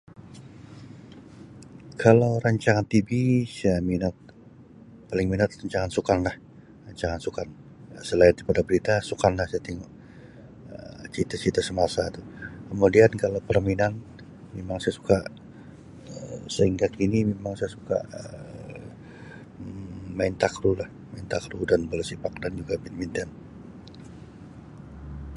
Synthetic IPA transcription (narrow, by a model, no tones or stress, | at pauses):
kʰalawɾaɲt͡ʃaŋant̪ibisajaminat̪̚ | palɪŋminat̪̚raɲt͡ʃaŋansukanlah | raɲt͡ʃaŋansukan | jasəlaɪnipadabəɾit̪asukanlahsajat̪iŋuʔ | ət͡ʃit̪at͡ʃit̪asəmasat̪ukəmudiankalawpərminan | memaŋsajasu̥kaʔ | əsəhiŋɡakinimemaŋsajasuka̰ʔə | maɪnt̪akɾulah | maint̪akɾudanbələsipak̚dand͡ʒuɡabinmint̪an